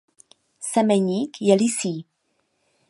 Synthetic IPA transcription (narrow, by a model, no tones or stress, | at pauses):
sɛmɛɲiːkjɛlisiː